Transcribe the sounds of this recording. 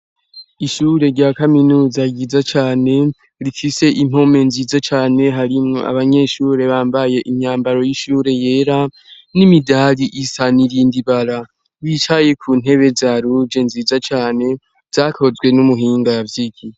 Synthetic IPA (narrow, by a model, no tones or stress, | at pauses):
iʃuːɾe̞ɾɟaːkaminuːzaɡizat͡ʃaːne̞ | ɾifise̞ʔim̥o̞me̞nziːzat͡ʃaːne̞ɦaɾimŋo̞̰ʔa̰βaɲe̞ʃuɾe̞βaːmbaje̞ʔiɲaːmbaɾo̞jiʃuːɾe̞je̞ːɾa | nimidaɾiʔisaniɾiːndiβaɾa | βit͡ʃaje̞kʰuːn̥e̞βe̞zaːɾud͡ʒe̞nziːzat͡ʃaːne̞ | z̥aːkʰo̞zɡwe̞numuɦiːŋɡaavjiɡi